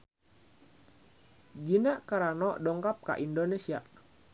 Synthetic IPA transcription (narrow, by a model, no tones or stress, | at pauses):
ɡinaʔkaɾanɔʔdɔŋkap̚ka̰ʔindonesia